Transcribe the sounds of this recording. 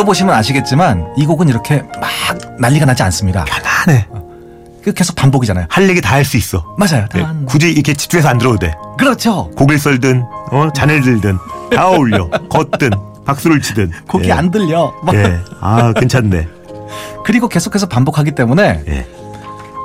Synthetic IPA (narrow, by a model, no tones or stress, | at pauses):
ʌboɕʰimɯnaɕʰiɡe̞t̚t͡ɕ͈imaniɡoɡɯniɾʌkʰe̞mak̚naʎːiɡanad͡ʑia̰ns͈ɯmɲiɡa̰anane̞ | kɯke̞sʰo̥k̚p͈amboɡid͡ʑanajohaʎːeɡitaaɭs͈uis͈ʌmad͡ʑajotakud͡ʑiɾkʰet͡ɕi̥t͡ɕ͈ue̞sʰʌandɯɾʌde̞̰kɯɾʌt͡ɕʰokoɡiɭs̬͈ʌɭdɯnʌt͡ɕanɯɭdɯɭdɯnaoʎːʌkʌt͈̚ɯn | pak̚s͈ɯɾoɭt͡ɕʰidɯnkoɡia̰ndɯʎːʌmeakɯnt͡ɕʰadɯnde̞̰ | kɯɾiɡoke̞sʰokʰe̞sʰʌpambokʰaɡit͈e̞mune̞jḛ